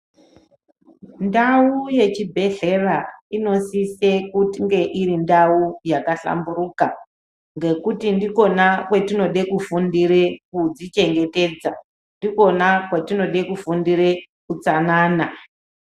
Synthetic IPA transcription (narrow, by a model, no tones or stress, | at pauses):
ndauje̞t͡ʃibʱe̞ɮe̞raino̞sise̞kutiŋɡe̞ʔiɾindaujakaɬa̰mburuːka | ŋɡe̞kutindiko̞nakwetino̞ɗe̞kufundirekud͡zit͡ʃe̞ŋɡe̞te̞d͡za | ndiko̞nakwetino̞ɗekufundire | kut͡sanaːna